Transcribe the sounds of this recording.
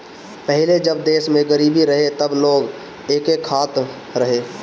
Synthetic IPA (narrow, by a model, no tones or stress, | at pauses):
pɛɦɪled͡ʒəbd̪eːsmẽɡəɾiːbiɾəɦet̪əbloːɡ | eːkekʰːaːt̪ | ɾəɦeː